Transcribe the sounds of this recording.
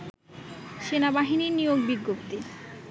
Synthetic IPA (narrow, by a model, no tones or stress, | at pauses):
ʃenabaɦiniɾnijoɡbiɡːopt̪i